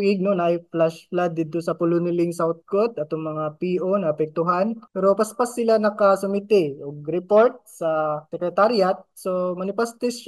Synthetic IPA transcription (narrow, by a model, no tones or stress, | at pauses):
iɡ̚nonajflaʃflad̪ːid̪t̪ʊsɐpʊlʊnɪlɪŋsawt̪̚kot̪ʔɐt̪oŋmɐŋapiːʔo̞nɐʔɐpɛk̚t̪ʊɦanpɛɾo̞pɐspɐsːɪlanɐkɐsʊmɪt̪ɪʔoɡ̚ɾɛpo̞ɾt̪̚sɐsɛkɾɛt̪aɾjat̪̚somɐnɪpɐst̪ɪs